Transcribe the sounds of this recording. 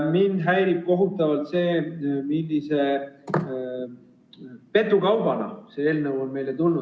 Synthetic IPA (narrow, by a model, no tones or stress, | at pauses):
minɦæjɾib̥̚ko̞ɦut̪ːˑɑvɑlt̪se̞ːmilːise̞ | pe̞t̪ˑːukɑwb̥ɑnɑ̰see̞ːlnəwonme̞jlet̪ulnu